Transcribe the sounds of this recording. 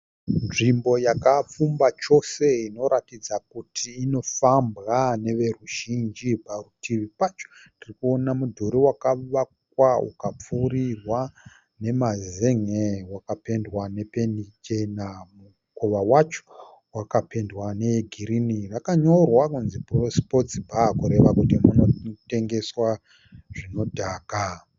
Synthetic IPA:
nʐimbo̞jakap͡fumbat͡ʃo̞se̞ino̞ɾatid͡zak̚utʰiːno̞fambɣane̞ʋe̞ruʒind͡ʒiparutʰiʋipat͡ʃondirikuo̞namudʱoɾiwakaʋakwaṵkap͡fuːɾirwa | ne̞mazeŋewakape̞ndwane̞penit͡ʃe̞namu | koʋawat͡ʃo̥ | wakape̞ndwane̞ɡʱiɾinirakaɲo̞rwakunziprospo̞t͡sibʱakuɾe̞ʋakutimuno̞te̞ŋɡe̞swa | ʐ̥ino̞dʱaːka

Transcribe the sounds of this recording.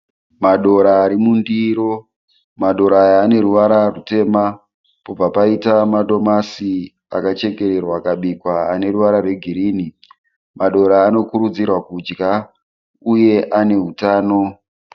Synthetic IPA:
maɗo̞ɾaːɾimundiɾo̞ | maɗo̞ɾaːjaːne̞ɾuʋaɾarute̞ma | po̞b͡vapaitamaɗo̞masi | a̰kat͡ʃe̞ke̞ɾe̞rwakaɓikwaːne̞ruʋaɾarwe̞ɡʱiɾiːni | maɗo̞ɾaːno̞kuɾud͡zirwakud͡ʒɡa | uje̞ʔane̞ɦutaːno̞

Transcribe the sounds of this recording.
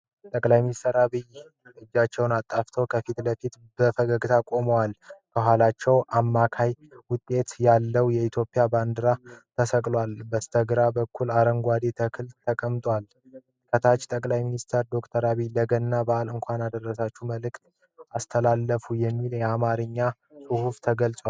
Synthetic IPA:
t̪ʼəkʼlajminist̪ʰəɾaβij | ɨd͡ʒːat͡ʃːɛwnat̪ʼːaft̪ʰəwkʰəfit̪ləfit̪ | bəfəɡəɡt̪ʰakʼo̞məwalkʰəɦʷalat͡ʃːɛwʔamːakʰajwʊt̪ʼːe̞t̪jalːəwjɛit̪ʰjo̞pʼijaband̪ɨɾat̪ʰəsəkʼlwalbəst̪ʰəɡɾabəkʰːulaɾəŋɡʷad̪it̪ʰəkʰɨlt̪ʰəkʼəmt̪ʼwal | kʰət̪ʰat͡ʃːt̪ʼəkʼlajminist̪ʰəɾd̪o̞kt̪ʰəɾaβiləɡənːabaʔalɨŋkʷanad̪ərːəsat͡ʃːuməlɨkt̪ | ast̪ʰəlalːəfujɛmːiljɛamaɾɨɲːa | sʼuhuft̪ʰəɡəlt͡sʼwa

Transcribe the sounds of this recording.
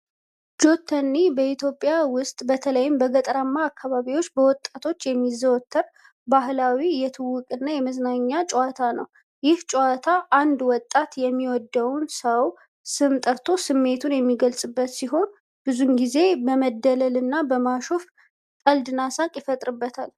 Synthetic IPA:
d͡ʒo̞t̪ʰːənːibəit̪ʰjo̞pʼːjawʊst̪ʼbət̪ʰələjɪmbəɡət̪ʼɾamːaːkːaβaβiwo̞t͡ʃːbəwɔt̪ʼːat̪ʰo̞t͡ʃːjɛmːizəwɔt̪ʰːəɾ | bahlawijɛt̪ʰɨwːʊkʼɨnːajɛməznaɲːat͡ʃʼwat̪ʰanəw | jɪht͡ʃʼɛwat̪ʰaʔand̪wɔt̪ʼːat̪jɛmːiwɔd̪ːəwnsəw | sɨmt̪ʼəɾt̪ʰo̞sɨmːe̞t̪ʰunjɛmːiɡəlsʼɨbːət̪siɦo̞n | b̥ɨzumɡize̞bəməd̪ːələlɨnːabəmaʃof | k̪ʼəld̪ɨnasakʼjɪfət̪ʼɾɨbːət̪ʰal

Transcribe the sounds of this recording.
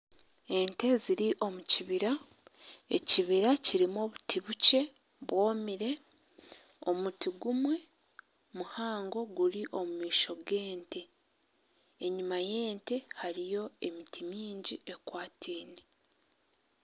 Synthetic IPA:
e̞nte̞ziɾiʔo̞muciβiɾa | ḛciβiɾaciɾimoβutʰiβuce̞ | βwo̞ːmiɾe̞ | o̞̰mutiɡumwe̞ | muhaːŋɡo̞ɡuɾiʔo̞mumiːʃo̞ɡe̞ːnte̞ | eɲumaje̞ːnte̞haɾijo̞e̞mitʰimiːɲɟie̞kwaːtʰiːne

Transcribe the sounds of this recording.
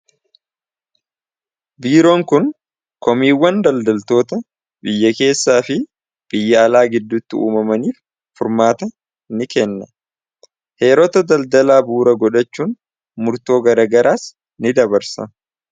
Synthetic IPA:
biːɾo̞ːŋkʊn | kɔmiːwːɐnd̪ɐld̪ɐlt̪o̞ːt̪ɐ | bɪjːɐke̞ːsːaːfɪ | b̥ɪjːɐːlaːɡɪd̪ːʊt̪ːɪṵːmɐmɐniːf | fʊɾmaːt̪ɐ | nɪkɛnːɐ | he̞ːɾɔt̪ɐd̪ɐld̪ɐlaːbuːɾɐɡɔᶑɐt͡ʃːuːn | mʊɾt̪o̞ːɡɐɾɐːɡɐɾʔaːs | nɪd̪ɐbɐɾsɐ̰

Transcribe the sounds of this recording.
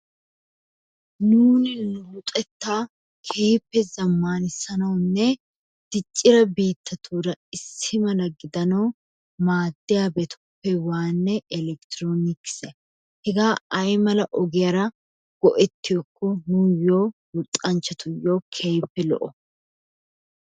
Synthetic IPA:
nuːnɪnʊbʊt̪ʼɛt̪ːaː | kʰeːpːɛzɐmːaːnɪsːɐnɐwnːɛ | d̪̥ɪt͡ʃʼːɪɾɐbiːt̪ːɐt̪ʰuːɾɐɪsːɪmɐlɐɡɪd̪ɐnɐw | maːd̪ːɪjaːbɛt̪ʰʊ̥pːɛwaːnːɛɛlɛkt̪ɪɾoːnɪkːɪ̥sɛ | hɛɡaːɐjmɐlɐʔɔɡɪjɐɾɐ | ɡ̥ɔʔɛt̪ːɪjɔkʰːɔnujoːwʊt̪ʼːɐnt͡ʃːɐt̪ʊjːoːkʰeːpːɛlɔ̰ʔɔ

